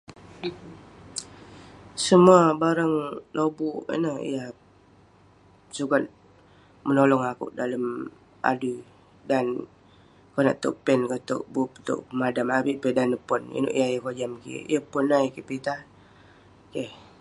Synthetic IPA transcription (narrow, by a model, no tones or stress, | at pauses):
səmuabaɾəŋlobuʔə̰nəhḭjah | sukat̪̚ | mənolɔŋakʊ̰ʔdaləm | ʔa̰du | dan | kona̰ʔt̪ɔ̰ʔ̚pɛnkət̪ʊ̰ʔ̚bupt̪ʊ̰ʔpəmadamabiʔpedanəpɔnḭnʊ̰ʔjajəkod͡ʒamkḭjəpɔnaikipit̪ah | keh